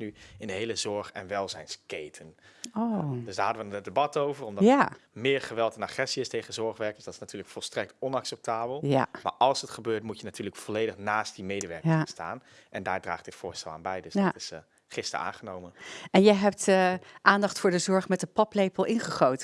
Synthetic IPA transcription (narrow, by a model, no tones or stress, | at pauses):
nyɪndəɦejləzɔɹχɛ̰nʋɛlˠzɛjnskejtʰənodøsdaːɹɦɑdəʋənədəbɑtowvərɔmdɑamɪːɹχəʋɛlˠtɛnaχɛsiɪstejχənzɔɹχʋɛɹkə̥sd̥ɑtɪ̥snatyːɹləkfɔlˠstrɛk̚tɔnɑksɛp̚tʰaːbəlˠja̰ma̰ːɹʔɑlˠsətχəbøːɹtmutjənatʰyːɹləkfɔlejdəχnaːst̚dimejdəʋɛɹɪsta̰ːn | ʔɛndaːɹdra̰ːχd̥ɪtfʊːɹstɛlˠa̰ːnbɛjdøstɪs | χɪstə̰ɹa̰ːnχənowmənɛnjəɦɛptəʔaːndɑχtfʊːɹdəzɔɹχmɛtəpɑplejpəlˠɪnχəχowtə